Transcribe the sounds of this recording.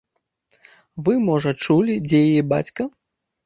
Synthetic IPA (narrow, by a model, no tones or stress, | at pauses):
vɨmɔʐɐt͡ʂulʲid͡zʲɛjajɛba̰t͡sʲkɐ